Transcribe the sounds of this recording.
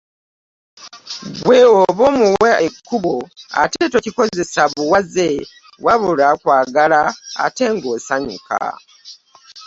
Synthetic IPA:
βweoβomuweekʰːuβoa̰teto̞ciko̞ze̞saβuwaze | waβulakwaːɡala̰ːte̞ŋɡo̞saɲṵka̰

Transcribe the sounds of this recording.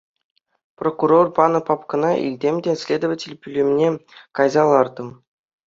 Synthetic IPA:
prokurorpɑnɤ̆pɑpkɤ̆nɑʔḭlʲdʲemʲdʲesʲlʲed̪ə̆vətʲelʲpʲylʲemʲnʲekɑjzɑlˠɑrd̪ɤ̆m

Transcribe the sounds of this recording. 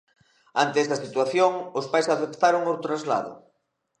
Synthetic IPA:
ant̪eɛst̪ɐsit̪waθjoŋʊspajsaθept̪aɾoŋot̪ɾazla̰ðʊ̰

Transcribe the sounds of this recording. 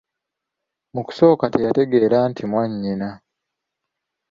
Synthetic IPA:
muku̥so̞ːkatejate̞ɡe̞ɾantʰimwaɲːina

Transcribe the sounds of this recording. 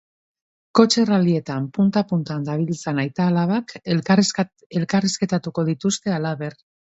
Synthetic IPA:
ko̞t͡ʃe̞ralie̞t̪ampunt̪apunt̪and̪aβ̞ilt͡sanajt̪aːlaβ̞ak | elkarisket̪at̪uko̞ðit̪ust̪e̞alaβe̞r

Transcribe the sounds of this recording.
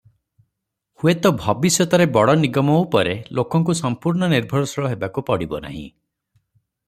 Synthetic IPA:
huet̪ɔbʱɔbisjɔt̪ɔɾebɔɽɔniɡɔmɔupɔɾelʔokɔŋk̬usɔmpuɾɳɔniɾbʱɔɾɔsɔɭɔɦebakupɔɽibɔ̰na̰ɦḭ̃

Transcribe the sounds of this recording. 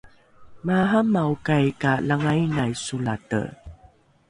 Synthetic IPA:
maɦamaukajkalaŋajnajsulatə̰

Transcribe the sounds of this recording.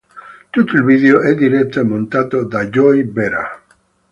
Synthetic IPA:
t̪ut̪elbiðeoʔed̪iɾet̪emõnt̪at̪od̪aʝojbeɾa̰

